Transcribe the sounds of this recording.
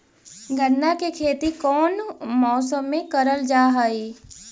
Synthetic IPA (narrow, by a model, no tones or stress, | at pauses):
ɡʱənːakekʰeːt̪ikɔːnmɔːsəmːẽkəɾəld͡ʒaːɦəiː